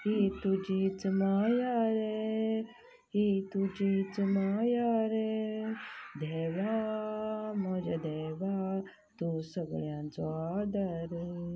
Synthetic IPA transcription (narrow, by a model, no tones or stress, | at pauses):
ɦit̪ud͡ʒit͡smaːjaɾe | ɦit̪ud͡ʒit͡səmaːjaɾe | d̪ʱeːʋa | mod͡ʒad̪eʋa | t̪usəɡɭjãːnt͡soaːd̪ɐɾ